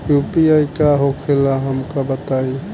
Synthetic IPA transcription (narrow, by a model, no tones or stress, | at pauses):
jupiaikaɦokʰelaɦəmkabət̪ai